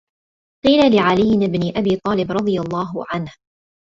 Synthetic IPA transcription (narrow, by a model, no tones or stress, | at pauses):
qiːlalɪʕalɪjːɪnɪbnɪʔabiːt̪ˤɑːlɪbɾˤɑd̪ˤɨjalˤːɑːɦʊʕanh